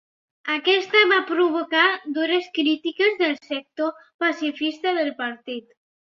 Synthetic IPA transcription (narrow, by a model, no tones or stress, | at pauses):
akɛst̪əβapɾuβukad̪uɾəskɾit̪ikəzðəlˠsək̚t̪opasifist̪əðəlˠpəɾt̪it̪